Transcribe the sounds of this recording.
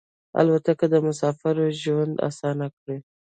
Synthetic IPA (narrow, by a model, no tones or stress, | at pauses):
a̰lwat̪akad̪əmʊsɑfɪɾoʒwand̪a̰sɑnakɽe